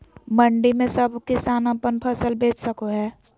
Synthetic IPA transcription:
məɳɖimẽsəbʱkɪsaːnəpənpʰəsəlbʱeːt͡ʃsəkoɦɛː

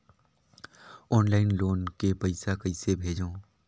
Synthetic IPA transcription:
ɔːnlaːɪnloːnkepəɪsakəɪsebʱeːd͡ʒõː

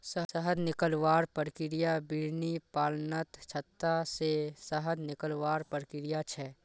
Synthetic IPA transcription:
səsəɦəd̪nɪkəlʋaːɾpəɾkɪɾijabɪɾnipaːlnət̪t͡ʃʰɐt̪ːasesəɦəd̪nɪkəlʋaːɾpəɾkɪɾijat͡ʃʰɛː

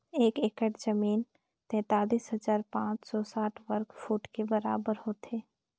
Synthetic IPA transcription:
eːkeːkəʈd͡ʒəmiːn | t̪ɛ̃ːt̪aːliːsɦəd͡ʒaːɾpãːt͡ʃsɔsaːʈʰʋəɾkfuːʈkebəɾa̰ːbəɾɦoːt̪eː

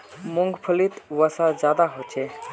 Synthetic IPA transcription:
mʊ̃ŋɡpʰəlit̪ʋasãzjaːd̪aɦoːt͡ʃʰeː

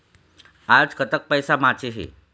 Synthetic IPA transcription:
ad͡zkət̪ək̚pəjsamat͡ɕeɦḛ

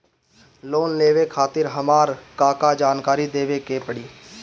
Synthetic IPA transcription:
loːnleːʋekʰaːt̪ɪɾɦəmaːɾkaːkad͡ʒaːnkaːɾid̪eːʋekeːpəɽiː

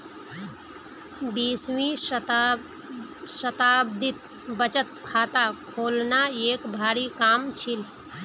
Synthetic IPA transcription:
bismĩ | sət̪abd̪ʱit̪̚ | bət͡ʃət̪kʰat̪akʰolnaeːkbʱaɾikamt͡ʃʰil

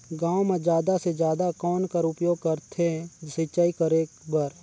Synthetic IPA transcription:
ɡãːwmẽd͡ʒjaːd̪ased͡ʒjaːd̪akɔːnkəɾʊpjoːɡ̚kɐɾt̪ʰeɛ̃sɪt͡ʃaːikəɾeːkbaːɾ

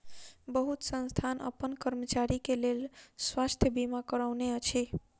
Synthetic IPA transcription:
bəɦut̪sə̃nst̪ʰanʌ̰pənkəɾmət͡ʃaɾikelelswast̪ʰjəbimakəɾawneʌt͡ʃʰi

